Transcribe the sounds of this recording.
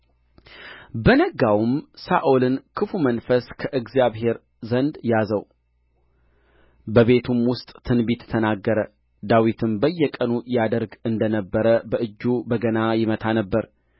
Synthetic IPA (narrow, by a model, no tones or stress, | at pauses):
bənəɡawmsaʔolɨnkʰɨfumənfəskʰəʔɨɡzjaβɦe̞ɾ | zənd̪jazəw | bəβe̞t̪ʰumwʊst̪ʼt̪ʰɨnbit̪t̪ʰənaɡːəɾə | d̪awit̪ʰɨmbəjːɛkʼənujad̪əɾɡɨnd̪ənəbːəɾəbəʔɨd͡ʒːubəɡənajɪmət̪ʰanəbːəɾ